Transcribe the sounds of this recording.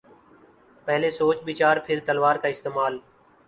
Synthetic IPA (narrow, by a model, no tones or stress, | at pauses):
pəɦleːsoːt͡ʃɓiːt͡ʃaːɾpʰɪɾt̪əlʋaːɾkaːɪst̪eːmaːl